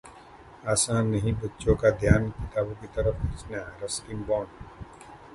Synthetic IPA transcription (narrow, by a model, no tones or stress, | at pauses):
aːsãːnːɐɦĩbətːʃõkad̪ʱjaːnkɪt̪aːbõkit̪ɐɾəfʰbɐt͡ʃnjaɾɐstĩmbɔːn